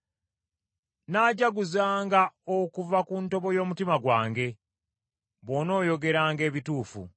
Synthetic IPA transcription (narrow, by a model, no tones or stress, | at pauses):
naːɟaɡuzaːŋɡaokuvakunto̞βo̞jo̞ːmutimaɡwaːŋɡe̞ | βo̞no̞ːjo̞ɡe̞ɾaːŋɡe̞ːβituːfṵ